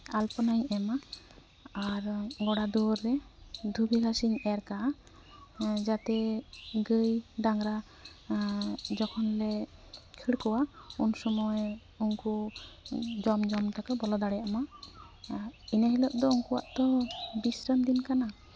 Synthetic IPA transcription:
alpɔnajɛma | aɾɡɔɽad̪uɾːɛd̪ʱubʱiɡʱasiɲɛɾka | d͡ʒat̪ɛɡəjɖaŋɾa | d͡ʒɔkʰɔnlɛkʰiɽkɔwaunsɔmɔj | uŋku | d͡ʒɔmd͡ʒɔmt̪akabɔlɔd̪aɽɛjaʔma | inaɦilɔʔd̪ɔuŋkuwa̰ʔt̪ɔbisɾəmd̪inkana

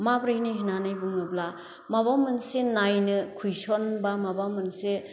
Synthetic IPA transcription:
mabɾaniɦinanajbɯŋɯbla | maβamɐnsenajnɯkʰujsonbamabamɐnse

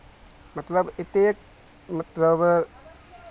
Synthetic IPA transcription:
mɐt̪lɐbit̪ek̚ | mɐt̪ləb

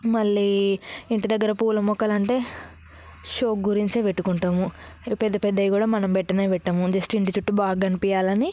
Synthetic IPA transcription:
mɐɭːiːiɳʈid̪ɐɡːɐɾɐpuːlɐmɔkːɐlɐɳʈe̞ː | ʃoːkɡuɾiɲt͡ʃeːpeʈːukuɳʈaːmu | pɛd̪ːɐpɛd̪ːɐjikuːɽaːmɐnɐmpɛʈːɐneːpɛʈːɐmud͡ʒɐsʈiɳʈit͡ʃuʈːubaːɡːɐnipijaːlɐni

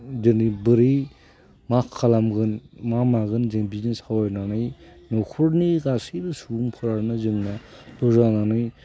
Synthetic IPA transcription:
dɯnibɯɾi | makʰalamɡɯnmamaɡɯnzɯŋbinisawajnanɯjnɔkʰuɾniɡasiɾɯsubuŋpʰɯɾaɾnɯzɯŋnadɔzananɯj

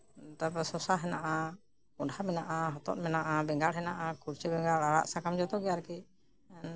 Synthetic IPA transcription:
t̪apasɔsaɦɛnaʔa | kɔɳɖhamɛnaʔaɦɔt̪ɔ̰t̪̚mɛnaʔabɛŋɡaɽɦɛnaʔakuɾt͡ʃɛbɛŋɡaɽaɽa̰ʔsakamd͡ʒɔt̪ɔɡɛjaɾki

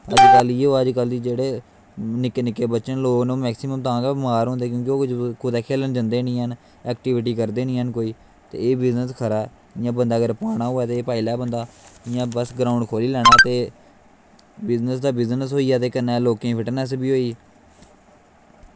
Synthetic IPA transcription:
əd͡ʒkəliːoːəd͡ʒkəld̪iːd͡ʒeːɽeː | nɪkːnɪkːeːbətːʃənloːɡnõːmɛːksiməmt̪ãːkemaːɾɦʊ̃nd̪eːk̬jõːk̬ɪoːkd͡ʒkʰʊd̪eːkʰeːlənd͡ʒə̃nd̪eːnĩːɦən | ɛːkʈɪːʋɪʈ̬iːkəɾd̪eːnĩːɦənkoːiː | t̪ḛːeːbɪznəskʰəɾaː | ɪjãːbənd̪aːɡəɾpaːɽ̃aːɦoːɛːt̪eːpaːiːlaːbənd̪aːɪjãːbəsɡɾaːʊɳɖkʰoːliːlɛːɽ̃aːt̪eː | bɪznəsd̪aːbɪznəsɦoːiːaːt̪eːkənːɛːloːkẽːpʰɪʈənɛːs̬ebiːɦoːiː

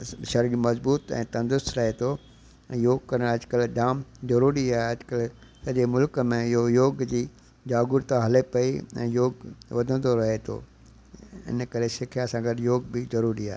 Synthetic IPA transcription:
ʃɐɾiːɾmɐzbuːt̪ɛ̰̃ːt̪ɐ̃nd̪ʊsɾɐɦet̪ʰõ | joːɡ̚kɐɾəɾɐd͡ʑkəlɖaːmzɐɾuːɾiaːɦeɐd͡ʑkəl | sɐʄemʊlkmẽɪɦojoːɡd͡ʑiː | d͡ʑaːɡʊɾt̪aɦɐlepɐiɛ̰̃ːjoːɡʋɐd̪ʱə̃nd̪oɾɐɦet̪ʰo̰ | ɪ̰nkɐɾesɪkʰijasãːɡʱɐɾjoːɡbɪzɐɾuːɾiaːɦe

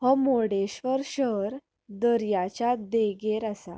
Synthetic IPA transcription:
hɔmoɽeɕʋəɾɕəɾ | d̪əɾjat͡ɕad̪eɡeɾasa

